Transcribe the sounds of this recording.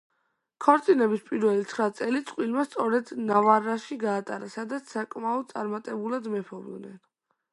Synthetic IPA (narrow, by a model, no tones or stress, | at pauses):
kʰɔɾt̪sʼinɛbispʼiɾvɛlit̪sʰχɾat̪sʼɛlit̪sʼqʼwilmast̪sʼɔɾɛd̪navaɾːaʃiɡaːt̪ʼaɾasad̪at̪sʰsakʼmaɔd̪̚t̪sʼaɾmat̪ʼɛbulad̪mɛpʰɔvd̪nɛn